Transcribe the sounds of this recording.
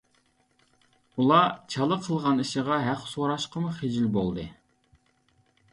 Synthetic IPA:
ulˠɑt͡ʃʰɑlˠəqʰəlˠʁɑniʃəʁɑɦæqsoɾɑʃqəmuχed͡ʒɪlbolˠd̪ɨ

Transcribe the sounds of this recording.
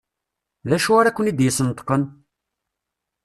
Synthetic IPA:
læʃuaɾækʷːənid̪jəsənt̪ːə̥qən

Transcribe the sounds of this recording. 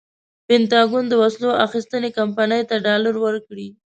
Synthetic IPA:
pɪnt̪ɑɡund̪əwasloaxist̪ənekampanəjt̪aɖɑləɾwəɾkɽi

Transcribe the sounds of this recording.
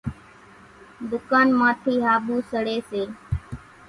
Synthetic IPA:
d̪ʊkaːnmãːt̪ʰiːɦaːbuːsəɽeːseː

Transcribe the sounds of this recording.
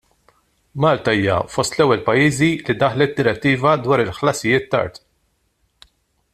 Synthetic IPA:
mɐːlt̪ɐiːjɐ̰fɔst̪lɛwːɛlpɐjiːzilid̪ɐħlɛt̪̚d̪ɪɾɛt̪ːiːvɐd̪wɐːɾɪlħlɐsɪjɪːt̪ːɐ̰ɾt̪

